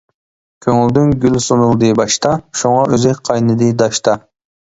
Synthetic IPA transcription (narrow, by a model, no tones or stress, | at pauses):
kʲʰøŋyld̪ynɡʲylsonulˠd̪ɨbɑʃt̪ɑʃuŋɑʔøzɪqʰɑjnɨd̪ɨd̪ɑʃt̪ɑ